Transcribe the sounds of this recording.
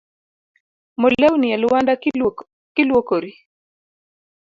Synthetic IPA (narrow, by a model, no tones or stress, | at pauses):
mɔlɛwnialʊwanda | kilwɔkoɾi